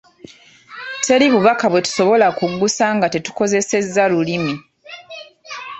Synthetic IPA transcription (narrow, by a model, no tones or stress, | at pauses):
tʰe̞liβuβakaβwe̞tu̥so̞βo̞lakuɡusaŋɡate̞tu̥ko̞ze̞se̞zːalulimi